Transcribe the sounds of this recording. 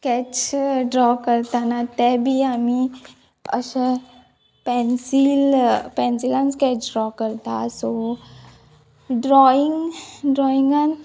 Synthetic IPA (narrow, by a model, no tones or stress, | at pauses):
kɛt͡ʃɖɾɔkəɾt̪anat̪ɛbʱiami | ə̰sə | pɛnsilpɛ̃nsilanskɛt͡ʃɖɾɔkəɾt̪a̰so | ɖɾɔiŋɡɖɾɔiŋɡan